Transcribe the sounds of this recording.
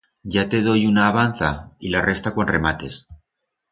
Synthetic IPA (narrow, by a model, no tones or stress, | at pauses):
ɟ͡ʝat̪e̞ð̞o̞junaːβan̟θailarʔe̞st̪ako̞nre̞mat̪e̞s